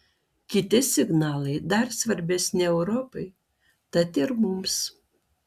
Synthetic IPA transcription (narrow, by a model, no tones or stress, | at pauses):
kʲɪt̪ʲɪsʲɪɡnɑːlˠɐɪd̪ɐɾsʋɐɾʲbʲɛsʲnʲɪɛʊɾɔpɐɪ | t̪ɐt̪ɪɾmʊms